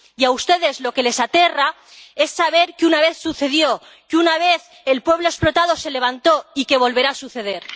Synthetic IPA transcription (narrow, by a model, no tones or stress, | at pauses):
iaust̪e̞ðe̞zlo̞ke̞le̞sat̪e̞ra | e̞sːaβ̞e̞ɾkeunaβ̞e̞θsuθe̞ðjo | keunaβ̞e̞θ | elpwe̞βloesplot̪aðo̞se̞le̞β̞ant̪o̞ike̞β̞o̞lβe̞ɾaːsuθe̞ðe̞ɾ